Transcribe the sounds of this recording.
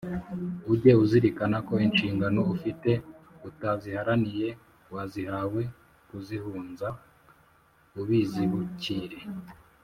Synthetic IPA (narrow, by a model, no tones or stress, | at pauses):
uɟe̞uziɾikanako̞inʃiːŋɡano̞ufite̞utazihaɾanije̞ | wazihawe̞ | kuzihuːnza | uβiːziβuciɾe̞